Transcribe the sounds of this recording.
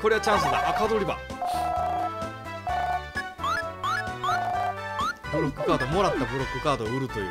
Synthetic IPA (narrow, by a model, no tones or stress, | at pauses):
ko̞ɾeat͡ɕãɰ̃sɨd̪a̰ʔːkad̪oɾʲiba̰ | bɯ̟ɾokːɯ̟kaːd̪o̞mo̞ɾat̪ːabɯ̟ɾo̞kːɯ̟kaːd̪o̞ɯ̟ɾɯ̟t̪o̞jɯ̟̰